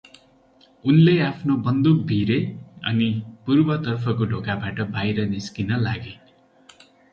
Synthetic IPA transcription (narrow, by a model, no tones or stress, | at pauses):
unleapʰnobʌnd̪uk̚bʱiɾeʌ̰nipurbʌt̪ʌrpʰʌkoɖʱokabaʈʌbajɾʌniskinʌlaɡe